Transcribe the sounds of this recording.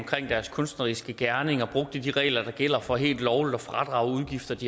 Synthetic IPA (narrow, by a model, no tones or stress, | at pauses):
mkʰʁeŋ̰d̥æɐskʰɔ̽nsd̥nɐʁisɡ̥əɡ̥æɐne̝ŋɐb̥ʁɔ̽ɡ̥̚d̥əd̥iʁɛ̰ːlɐd̥ɑ̈ɡ̥el̰ɐfɒ̽ɦe̝̰ːld̥lɒʊlid̥ɒ̽fʁɑ̈d̥ʁɑ̈ʊuðˠɡ̥ifd̥ɐd̥i